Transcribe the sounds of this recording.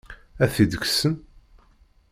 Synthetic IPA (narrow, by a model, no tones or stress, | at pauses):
æθid̪əksən